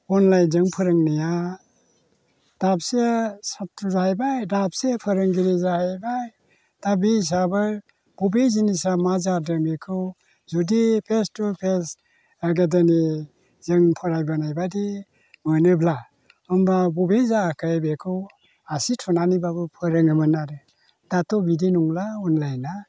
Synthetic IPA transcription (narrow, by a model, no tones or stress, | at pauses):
ɔnlajzɯŋpʰɯɾɯŋnija | d̥ap̚sesatuzajbajdap̚sepʰɯɾɯŋɡiɾizahajbaj | d̥abiis̬abɯɾ | b̥ubezinisamazadɯmekʰɯw | zudipʰestupʰes | aɡedani | zɯŋpʰɔɾajbanajbadi | mɯnɯbla | ɔmbabɔbezaːkʰajbekʰɯw | asitʰɔnanibabɯpʰɯɾɯŋɯmɯnaɾɯ | datɔbidinuŋlaunlajna